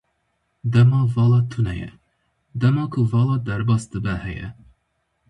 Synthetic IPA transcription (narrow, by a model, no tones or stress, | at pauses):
d̪ɛmɑːvɑːlɑːt̪ʰunɛjɛ̰ | d̪ɛmɑːkʰʊvɑːlɑːd̪ɛɾbɑːsd̪ɨbɛhɛjɛ̰